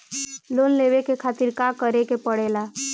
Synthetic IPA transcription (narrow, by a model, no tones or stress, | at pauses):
lonleʋekekʰat̪iɾkakəɾekepəɽela